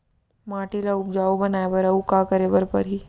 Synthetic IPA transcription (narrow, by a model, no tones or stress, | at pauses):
maːʈilaʊp̚d͡ʒaːubɐnaːebəɾɐukakɐɾebəɾpɐɾɦiː